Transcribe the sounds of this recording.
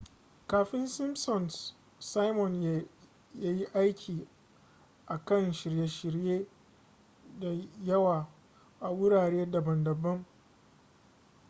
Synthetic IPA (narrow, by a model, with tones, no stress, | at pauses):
kaː˨ɸɪ˦nsɪ˦msɔ˨ns | sa˦jmɔ˨nj | ja˦ji˦ʔa˦jkʲʰiː˨ | ʔa˨kɐ˦˨nʃɪ˨ɾje˦ʃɪ˨ɾjeː˦ | da˨jɐ˦waː˨ | ʔa˨wʊ˦ɽaː˨ɽeː˦dɐ˨bɐ˨ndɐ˨bːɐ˦ŋ